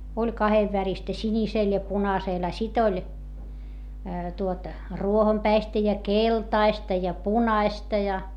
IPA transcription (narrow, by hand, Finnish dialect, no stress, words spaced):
olʲ kɑheʋːæristæ sinʲiseˑl jɑ punɑseˑl ɑ sit olʲ tuot ruohompæistæ jɑ keltɑistɑ jɑ punɑistɑ jɑ